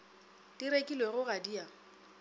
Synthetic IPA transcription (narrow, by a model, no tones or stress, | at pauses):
diɾekʼilweɣʊɣadia